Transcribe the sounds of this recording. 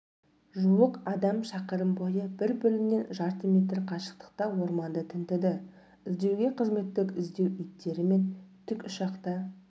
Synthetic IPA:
ʒuwəqɑd̪ɑmʃɑqəɾəmbo̞jəbɪɾbʏlɪmne̞nʒɑɾt̪əmʲe̞t̪rqʰɑʃə̥q̚t̪ə̥qt̪ɑwo̞ɾmɑnd̪ət̪ʰɪnt̪ɪd̪ɪ | ɪzd̪e̞wɡʲe̞qʰəzme̞t̪ːɪkʲɪzd̪e̞wʏjt̪ːe̞ɾɪme̞nt̪ʰʏkʲʊʃɑqt̪ɑ

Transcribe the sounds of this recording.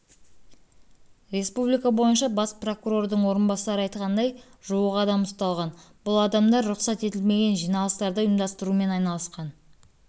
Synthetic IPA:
ɾe̞spublijkɑbo̞jənʃɑbɑspro̞kuɾo̞rd̪əɴwo̞ɾənbɑsɑɾəɑjt̪̚qʰɑnd̪ɑjʒ̥uəqɑd̪ɑmʊst̪ɑlˠʁɑnbʊlˠɑd̪ɑmd̪ɑɾɾʊqsɑt̪e̞t̪ɪlme̞ɡʲe̞nʒijnɑlˠəst̪ɑɾd̪əʊjəmd̪ɑst̪əɾume̞nɑjnɑlˠəsqɑn

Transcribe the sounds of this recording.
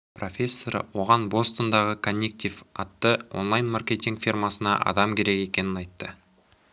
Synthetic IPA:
pro̞fʲe̞sːo̞ɾə̰wo̞ʁɑnbo̞st̪ond̪ɑʁəkʰonʲːek̚t̪ʲivɑt̪ːəwo̞̰nlˠajnmarkʲe̞t̪ʲiŋɡfʲirmɑsənɑ̰ʔɑ̰d̪ɑmkʲʰe̞ɾe̞ke̞kʲe̞nɪnɑjt̪ːə

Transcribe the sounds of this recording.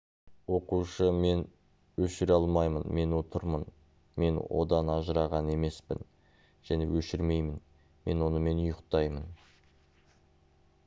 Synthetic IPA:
wo̞quʃəme̞n | wɵʃɪɾɑlˠmɑjmənme̞no̞t̪ʰəɾmən | me̞nwʔo̞̰d̪ɑnɑʒəɾɑʁɑne̞me̞spɪ̰n | ʒ̥æne̞̰wɵʃɪɾme̞jmɪn | me̞nwo̞nəme̞nʊjəqt̪ɑjmən

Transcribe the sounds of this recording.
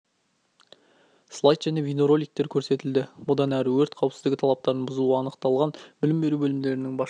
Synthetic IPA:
slˠajt̪ʒ̥æne̞vʲino̞ɾo̞lʲˠijk̚t̪e̞ɾkʲʰɵɾse̞t̪ɪld̪ɪbʊd̪ɑnæɾɪwɵɾt̪qʰɑwpsɪzd̪ɪɡʲɪt̪ʰɑlˠɑp̚t̪ɑɾənbʊzuʁɑɑnəqt̪ɑlˠʁɑnbɪlɪmbe̞ɾubɵlɪmd̪e̞ɾɪnɪŋbɑ

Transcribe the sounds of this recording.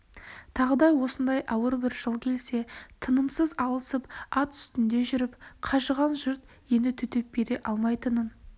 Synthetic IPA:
t̪ʰɑʁəd̪ɑjwo̞sənd̪ɑjʔɑwəɾbɪɾʒəlˠkʲʰe̞lse̞t̪ʰənəmsəzɑlˠəsəpɑt̪ʏ̥st̪ɪnd̪e̞ʒʏɾɪpqʰɑʒəʁɑnʒʊɾt̪ | je̞nd̪ɪt̪ʰʏt̪e̞p̚be̞ɾe̞ʔɑlˠmɑjt̪ənən

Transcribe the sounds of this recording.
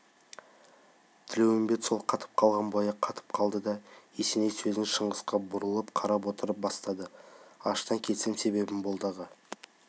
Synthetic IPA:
t̪ʰɪlewɪmbe̞t̪so̞lˠqʰɑt̪ʰə̥p̚qʰɑlˠʁɑnbɑjɑqʰːɑt̪ə̥p̚qʰɑlˠd̪əd̪ɑesenejsɵzɪŋʃəɴʁəsqɑbʊɾəlˠəpqʰɑɾɑp̬wo̞t̪əɾəp̚bɑst̪ɑd̪əɑʃt̪ɑŋkʲʰe̞t̪semse̞be̞bɪnbolˠd̪ɑʁə

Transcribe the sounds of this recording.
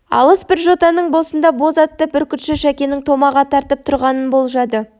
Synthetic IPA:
ɑ̰lˠəsbɪɾʒo̞t̪ɑnəɴbosənd̪ɑbo̞zɑt̪ːəbɪɾkʲʰʏt̪ʃɪʃækʲe̞nɪŋt̪ʰo̞mɑʁɑt̪ʰɑɾt̪əp̚t̪ʰʊɾʁɑnənbo̞lˠʒɑd̪ə

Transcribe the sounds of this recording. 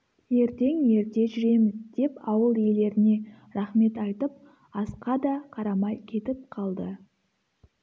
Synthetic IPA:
je̞ɾt̪e̞ŋje̞ɾt̪e̞ʒʏɾe̞mɪzd̪̥e̞pɑwəlˠje̞le̞ɾɪne̞ | ɾɑχme̞t̪ɑjt̪əp̚ | ɑsqɑd̪ɑqʰɑɾɑmɑjkʲʰe̞t̪ɪp̚qʰɑlˠd̪ə

